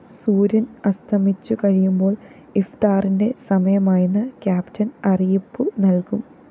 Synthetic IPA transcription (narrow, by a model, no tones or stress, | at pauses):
suːɾɐnɐst̪ʰɐmit͡ɕːukɐɻijumbo̞ːɭ | ift̪aːrinde̞sɐmɐjɐmaːjunːɐkjaːptʰɐnɐrijipːɨnɐlkum